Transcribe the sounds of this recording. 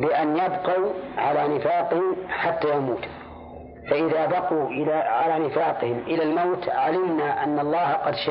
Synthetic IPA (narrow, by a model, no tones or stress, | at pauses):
bɪʔanjabqɑwʕalanɪfaːqɪhɪmħat̪ːaːjamuːt̪ | faʔɪðaːbɑquʔɪlaʕalaːnɪfaːqɪhɪmʔɪlalmawt̪ʕalɪmnaʔanːɑlˤːɑːhqɑd̪ʃa